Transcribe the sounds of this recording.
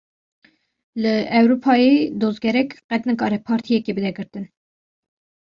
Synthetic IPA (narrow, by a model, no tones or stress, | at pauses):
lɨɛwɾupʰɑːjid̪ozɡɛɾɛkqɛt̪nɨkɑːɾɛpʰɑːɾt̪ʰijɛkebɨd̪ɛɡɨɾt̪ɨn